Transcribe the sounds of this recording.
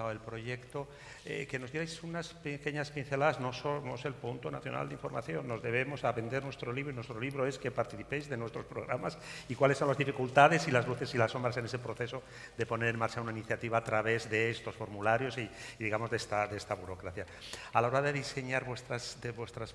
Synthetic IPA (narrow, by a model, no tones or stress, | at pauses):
aoelpɾo̞ʝe̞kt̪o̞ | ḛke̞nozðjeɾajsunaspeke̞ɲaspin̟θe̞laðazno̞somo̞se̞lpunt̪onaθjo̞na̰ld̪iɱfo̞ɾma̰θjo̞nːo̞zðe̞β̞e̞mo̞saβe̞nd̪e̞ɾnwe̞st̪ɾo̞liβɾoinwest̪ɾo̞liβɾoe̞ske̞paɾt̪iθipe̞jzðe̞nwe̞st̪ɾo̞spɾoɣ̞ɾamasikwalesːo̞nlazðifikult̪aðe̞silazluθe̞silaso̞mbɾas̬e̞ne̞se̞pɾo̞θe̞so̞ | d̪e̞po̞ne̞ɾe̞nmaɾt͡ʃaunainiθjat̪iβaːt̪ɾaβe̞zðe̞est̪o̞sfo̞ɾmulaɾjo̞siðiɣamo̞zðe̞st̪adee̞st̪aβuɾo̞kɾaθja | alao̞ɾaðe̞ðise̞ɲaɾβwe̞st̪ɾasd̪βwe̞st̪ɾas